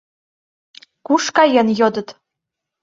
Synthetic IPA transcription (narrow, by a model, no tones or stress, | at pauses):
kuʃkɑjɤ̆njod̪ɤ̆t̪